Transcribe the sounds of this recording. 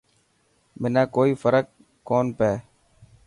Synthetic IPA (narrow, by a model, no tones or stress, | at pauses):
mɪnãːkoːiːfəɾəkː | oːnpeː